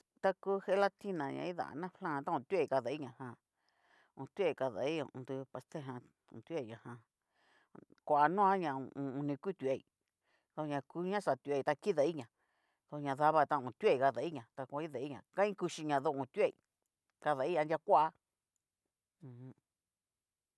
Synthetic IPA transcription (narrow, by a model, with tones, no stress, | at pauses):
t̪a˦ku˦he˧˦la˦˧t̪i˦nã˨ɲã̰˧ĩ˦ða̰˨nã˦flã˦˨˧t̪a˦ũ˧˨t̪u˦e˦˨ka˧ða˨i˦ɲã˧hã˧ | ũ˧t̪u˦e˦˧i˨ka˧ða̰˨ĩ˦˧˨ṵ̃˧d̪u˧pa˧st̪e˦ɦã˧ | ṵ̃˧˨t̪ʲu˦e˦˨i˨ɲã˨hã˧ | kʷa˨ʔa˧nũ˦ã˦ɲã̰˧ũ˨˧ũ˧nĩ˧ku˦t̪u˧˨e˨i˧ | ðo˧ɲã˧ku˦ɲã˦sa˨t̪u˧˨e˧˨˧t̪a˧ki˦ða˧˨i˦ɲã˨ | ðo˧ɲã˧ða˧βa˧t̪ã˧˨ũ˨t̪u˦e˦˧i˨ka˧ða˨i˦ɲã˨t̪a˧kʷã˧˦i˦ða˨i˦ɲã˧kã˦ĩ˦ku˧ʃi˧ɲã˨ðo˧˨ũ˨t̪u˦e˦˨ḭ˨ | ka˧ða˨i˦ɲã˧ndʲa˧kʷa˦a˧ | ũ˨hũ˧